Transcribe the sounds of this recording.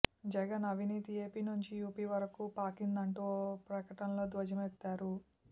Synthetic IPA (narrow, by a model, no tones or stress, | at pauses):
d͡ʒɛɡɐnɐʋʱiniːt̪ie̞ːpiːnuɲt͡ʃijuːpiːʋɐɾɐkupaːkind̪ɐɳʈoːpɾɐkɐʈɐnɐlo̞ːd̪ʋɐd͡ʒɐmɛt̪ːaːɾu